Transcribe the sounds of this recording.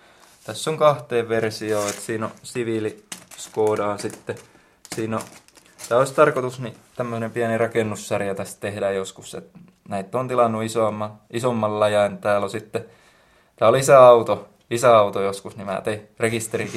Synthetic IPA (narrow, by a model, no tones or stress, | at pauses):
t̪æsːoŋkɑht̪eːʋʋersioːet̪siːno̰siʋiliskoːdɑːnsit̪ːe | siːno | t̪æːoist̪ɑrkot̪usnit̪æmːøsenempiænirɑkenːusːærjæt̪æst̪t̪ehdæjjoskusḛt̪ | næit̪ːont̪ilɑnːuisoɑmːɑisomːɑllɑjɑnt̪æːlosit̪ːe | t̪æːolisæɑut̪o | isæɑut̪ojoskusnimæ̰ːt̪ei | rekist̪erik